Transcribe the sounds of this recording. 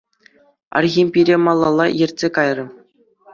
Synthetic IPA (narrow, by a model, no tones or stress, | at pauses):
ɑ̰rɣʲimʲpʲiɾʲemɑlˠːɑlˠːɑjɘ̆rʲtʲsʲekɑjrɤ̆